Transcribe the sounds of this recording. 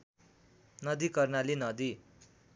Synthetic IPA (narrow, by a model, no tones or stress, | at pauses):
nʌd̪ikʌrnalinʌd̪i